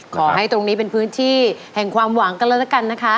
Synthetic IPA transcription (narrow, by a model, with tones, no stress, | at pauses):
kʰɔː˩˦ɦa˥˩jt̪ɾo˧ŋniː˦˥pe˧npʰɯː˦˥nt̪ʰiː˥˩hɛ˨˩ŋkʰwaː˧mwaː˩˦ŋka˧lɛ˧˦˥t̪a˦˩ka˧nːa˦˥kʰa˦˥